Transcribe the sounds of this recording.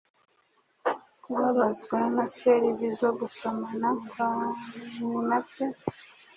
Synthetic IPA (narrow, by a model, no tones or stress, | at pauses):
kuβaβazɡwanaseɾizizoɡusomanakwa | unape